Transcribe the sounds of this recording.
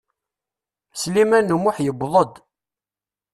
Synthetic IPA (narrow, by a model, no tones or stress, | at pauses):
slimænːumʊħjəbðˤəd̪